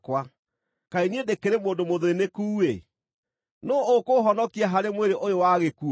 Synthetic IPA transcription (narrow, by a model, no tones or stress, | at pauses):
kwa | kainiedekeɾemoːndomoðoenekuːe | noːkoɦɔnɔkiaɦaɾemweɾeʔojowaɣeku